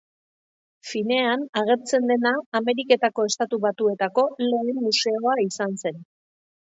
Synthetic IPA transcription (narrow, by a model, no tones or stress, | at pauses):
fine̞anaɣ̞e̞ɾt͡se̞nd̪e̞naːme̞ɾike̞t̪ako̞e̞st̪at̪uβat̪ue̞t̪ako̞le̞ːmːuse̞o̞aisanse̞n